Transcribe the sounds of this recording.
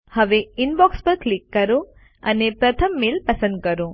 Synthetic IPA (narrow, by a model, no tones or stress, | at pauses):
hɐʋeinbaːkspɐɾklikːɐɾu | ɐ̰nepɾɐt̪ʰɐmːeːlpɐsɐn̚kɐɾu